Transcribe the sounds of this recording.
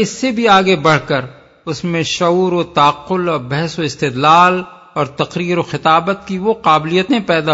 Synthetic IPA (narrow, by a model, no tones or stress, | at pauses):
ɪsːebʱiaːɡebɐɽ̤kəɾ | ʊsmẽʃɐuːɾot̪aːqːʊlɔːɾbɛɦsoɪst̪ɪd̪laːl | ɔːɾt̪ɐqɾiːɾoxɪt̪aːbət̪̚kiʋoqaːblijət̪ẽpɛːd̪a